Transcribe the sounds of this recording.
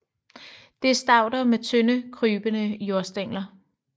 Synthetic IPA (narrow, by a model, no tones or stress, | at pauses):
d̥e̝ɐsd̥ɑ̈ʊ̰d̥ɐmet͡sʰønəkʰʁyːb̥ənəjo̝ɐsd̥eŋ̰lɐ